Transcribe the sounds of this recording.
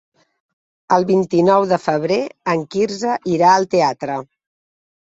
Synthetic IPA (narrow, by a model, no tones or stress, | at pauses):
əlˠβint̪inɔwðəfəβ̞ɾeəŋkiɾzəʔiɾaəlˠt̪eat̪ɾə